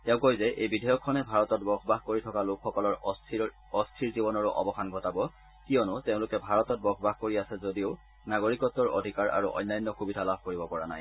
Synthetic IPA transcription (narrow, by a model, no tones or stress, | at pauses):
tɛʊ̃kojzɛʔejbidʱɔjɔkʰːɔnɛbʱaɹɔtɔt̚bɔxʰɔbaxkoɹitʰɔkalokʰxɔkɔlɔɹ | ɔstʰiɹzibɔnɔɹʊʔɔ̰bɔxanɡʱɔtabɔ | kijɔnʊteʊ̃lʊkɛbʱaɹɔtɔt̚bɔɡʰbaxkoɹiasɛzodioʊ | naɡoɹikɔtːɔɹo̰dʱikaɹʔa̰ɹuʔɔ̰jnːajnːɔxubidʱalabʱkoɹibɔpɔɹana̰j